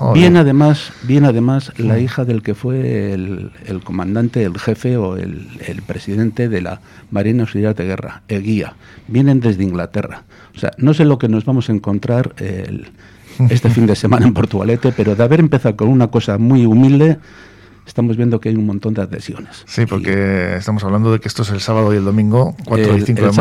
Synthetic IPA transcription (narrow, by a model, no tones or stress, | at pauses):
bje̞naðe̞masbje̞naðe̞maslaixaðe̞lke̞fwe̞lḛlko̞mãnd̪ant̪e̞ːlxe̞fe̞o̞ḛlḛlpɾe̞siðe̞nt̪e̞ðe̞la̰ | maɾinawsiljaðe̞ɣ̞e̞̰ra̰eɣia̰ | bje̞nẽ̞nd̪e̞zðeiŋɡlat̪e̞̰ra̰ | osea̰no̞s̬e̞lo̞ke̞no̞zβamo̞sae̞ŋkõ̞nt̪ɾaɾḛ | e̞st̪e̞find̪e̞semãnaempo̞ɾt̪uɣa̰le̞t̪e̞pe̞ɾo̞ðeaβe̞ɾempe̞θaðoko̞nunako̞samwijumild̪e̞ | est̪amo̞zβje̞nd̪o̞keajummont̪o̞nd̪eaðe̞̰sjo̞̰ne̞ssipoɾkeest̪amo̞saβland̪oðekeest̪oeselsaβaðoield̪o̞mĩŋɡokwaɾoiθiŋkkoe